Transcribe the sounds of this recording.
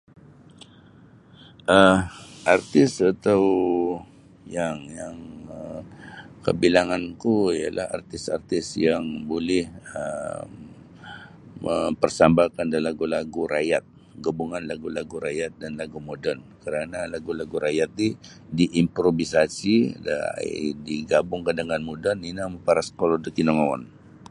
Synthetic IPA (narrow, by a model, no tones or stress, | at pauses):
ʔəʔart̪ɪsat̪aw | jaŋjaŋə | kə̰bilaŋankuija̰lʔa̰ha̰rt̪ɪsa̰rt̪ɪsjaŋbolɛhə̰ | əmpərsambakandalaɡulaɡuɾajat̪̚ | ɡəbuŋanlaɡulaɡuɾajat̪̚danlaɡumodənkəɾanalaɡulaɡuɾajat̪̚i | diʔimpɾovisasida̰diɡabʊŋkadaŋanmodəninaməpaɾaskolɔdəkinɔŋawa̰n